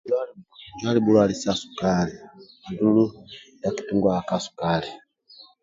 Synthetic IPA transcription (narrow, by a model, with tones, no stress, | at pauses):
a˦d͡ʒwa˦li˦bu˦lwa˦li˨sa˦su̥kaɾi˨ | i˨du˦lu˦ja˨ki̥˨tu˦ŋɡwa˨a˨ka˦su̥ka˦ɾi